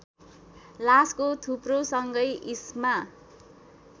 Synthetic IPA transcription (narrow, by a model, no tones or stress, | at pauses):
laskot̪ʰuprosʌŋɡʌjʔisma